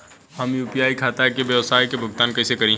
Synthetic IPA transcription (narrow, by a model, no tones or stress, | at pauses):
hɐmjuːpijaːikʰaːt̪akebjɐʋsaːjkebʱʊɡt̪aːnkɐsekɐɾĩ